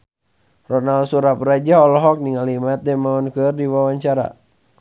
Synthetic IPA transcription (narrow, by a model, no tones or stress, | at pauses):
rɔnalsuɾap̚rad͡ʒaɦɔlɔɦɔk̚niŋalimat̪̚dɛmaɔnkɨrdiwawaɲt͡ʃaɾa̰